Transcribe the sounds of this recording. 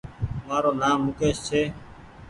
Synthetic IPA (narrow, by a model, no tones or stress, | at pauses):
maːɾoːnaːʊkeːst͡ʃʰeː